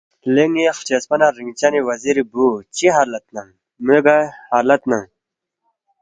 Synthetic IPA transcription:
leŋixt͡ɕespɐnaɾiŋɡt͡ɕaniwɐziɾibut͡ɕiɦalɐt̪̚naŋ | meɡahaːlɐt̪naŋ

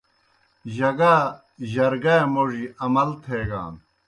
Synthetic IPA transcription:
ʑɐɡaː | ʑɐɾɡaemoʐiʔɐmɐlt̪ʰeːɡa̰ːn

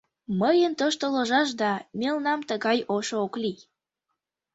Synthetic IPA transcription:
məjənt̪oʃt̪oloʒɑʃ̬d̪ɑmelnɑmt̪əɣɑjoʃookli

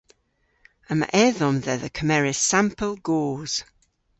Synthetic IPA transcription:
əma̰ʔɛðɔmðɛðəkʰəmɛɹɪsãmpʰəlˠɡɔːz̥

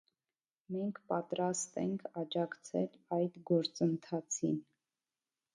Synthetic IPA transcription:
mɛŋkʰpɑt̪ɾɑst̪ɛŋkʰɑd͡ʒɑkt͡sʰɛlɑjd̪ɡɔɾt͡sənt̪ʰɑt͡sʰin

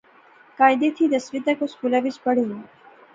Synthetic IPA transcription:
kaːjd̪et̪ʰid̪ɐsʋit̪akoskulaʋit͡ʃpəɽe

